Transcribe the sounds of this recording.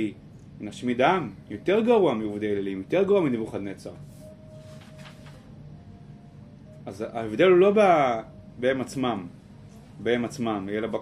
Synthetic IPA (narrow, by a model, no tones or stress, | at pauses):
i | inaʃmid̪amjot̪eʁɡaʁuamiovd̪elelimjot̪eʁɡaʁuamid̪ivuχad̪net͡saʁ | aza̰evd̪elulo̞ba | beemat͡smam | beemat͡smamelaba